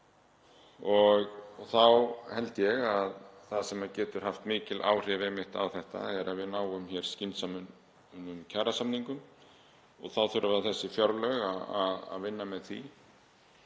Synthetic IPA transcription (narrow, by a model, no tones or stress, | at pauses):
ɔɣθawhɛlt̪ɪjɛɣaðθaðsɛmacɛːt̪ʏɾ̥haft̪mɪːcɪlʔa̰ːwr̥ɪvɛːmɪht̪a̰wθɛht̪a̰ɛɾʔaðvɪðnaːwʏmçɛɾ̥scɪnt̪samʏn | nʏmcʰaːɾasamniŋkʏm | ɔ̰ɣθawθʏɾʔʏvaðθɛsːɪfjaɾlœɣaaða̰ðvɪnːamɛðθḭ